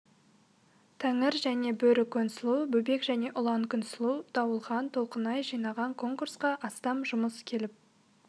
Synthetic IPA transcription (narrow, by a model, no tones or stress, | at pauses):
t̪ʰæŋɪɾʒæne̞bɵɾɪkʰːonsɪlˠubɵbe̞kʒæne̞ʔʊlˠɑŋkʲʰʏnsɪlˠud̪̥ɑwəlˠʁɑnt̪ʰo̞lˠqənɑjʒijnɑʁɑŋkʰo̞ŋkursqɑʔɑst̪ɑmʒʊməskʲʰe̞lɪp̚